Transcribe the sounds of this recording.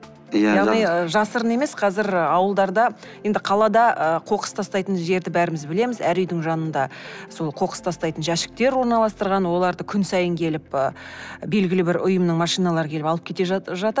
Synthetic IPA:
jjɑʁnijəʒɑsəɾəne̞me̞sqʰɑzɪɾəɑwəlˠd̪ɑɾd̪ɑje̞nd̪ɪqʰɑlˠɑd̪ɑəqʰo̞qə̥st̪ʰɑst̪ɑjt̪ənʒe̞ɾd̪ɪbæɾɪmɪzbɪle̞mɪzæɾʏjd̪ɪŋʒɑnənd̪ɑso̞lˠqʰo̞qə̥st̪ʰɑst̪ɑjt̪ənʒæʃɪ̥k̚t̪e̞ɾwo̞ɾnɑlˠɑst̪əɾʁɑnwo̞lˠɑɾd̪əkʲʰʏnsɑjəŋkʲʰe̞lɪpəbe̞lɡʲɪlɪbɪɾʔʊjəmnəɴmɑʃijnɑlˠɑɾəkʲʰeɪpɑlˠəpkʲʰe̞t̪e̞ʒʒɑt̪

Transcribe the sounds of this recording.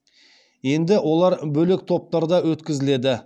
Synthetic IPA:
je̞nd̪ɪwo̞lˠɑɾbɵlek̚t̪ʰo̞p̚t̪ɑɾd̪ɑwɵt̪kʲɪzɪle̞d̪ɪ

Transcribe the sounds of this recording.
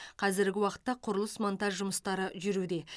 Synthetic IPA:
qʰɑzɪɾɡʲɪwɑqə̥t̪ːɑqʰʊɾəlˠəsmont̪ɑʒʒʊməst̪ɑɾəʒʏɾud̪e̞

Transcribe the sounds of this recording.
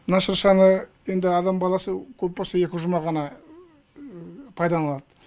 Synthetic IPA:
mənɑʃəɾʃɑnəje̞nd̪ɪɑd̪ɑmbɑlˠɑsəkʲʰɵpbosɑe̞kʲɪʒʊmɑʁɑnɑ | pʰɑjd̪ɑɑlˠɑd̪̥ə

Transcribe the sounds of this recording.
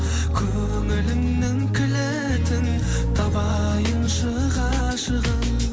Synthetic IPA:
kʲʰɵ | ŋɪlɪmnɪŋkʲʰɪle | t̪ʰɪn | t̪ʰɑbɑ | jənʃə | ʁɑ | ʃəʁən

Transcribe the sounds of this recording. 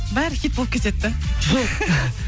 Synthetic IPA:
bæɾɪxʲit̪bolˠəp̚kʰʲet̪et̪ːɪʒoq

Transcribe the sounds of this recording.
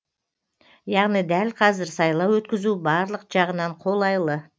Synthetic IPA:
jɑʁnijd̪ælqʰɑzɪɾsɑjlˠɑwwɵt̪kʲɪzubɑɾlˠəqʒ̥ɑʁənɑɴqʰo̞lˠɑjlˠə

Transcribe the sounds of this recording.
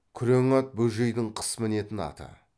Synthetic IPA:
kʲʰʏɾeŋɑt̪̚bɵʒejd̪ɪɴqʰə̥sməne̞t̪ɪnɑ̰t̪ɑ̰

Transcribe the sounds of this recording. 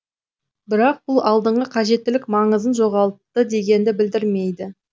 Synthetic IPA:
bɪɾɑq̚b̥ʊlˠɑlˠd̪əɴʁəqʰɑʒe̞t̪ːɪlɪk̚mɑɴəzənʒo̞ʁɑlˠət̚t̪ːəd̪e̞ɡʲe̞nd̪ɪbɪld̪ɪɾme̞jd̪ɪ

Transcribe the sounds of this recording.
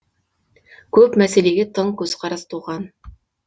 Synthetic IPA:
kʲʰɵpmæseleɡʲet̪ʰəɴkʲʰɵzqʰɑɾɑst̪ʰuʁɑn

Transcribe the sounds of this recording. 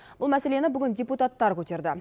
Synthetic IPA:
bʊlˠmæse̞le̞nɪbʏɡʲɪnd̪ʲeput̪at̪ːɑɾkʲʰɵt̪e̞ɾd̪ɪ

